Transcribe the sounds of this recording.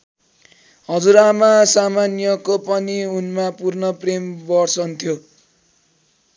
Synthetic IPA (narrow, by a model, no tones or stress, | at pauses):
ɦʌd͡zuɾamasamanjʌkopʌniunmapurnʌprembʌrsʌnt̪ʰjo